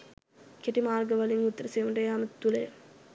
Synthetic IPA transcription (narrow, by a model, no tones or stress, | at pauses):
keʈimaːrɡəʋɐliŋut̪ːəɾəseːməʈəejamət̪ːulejə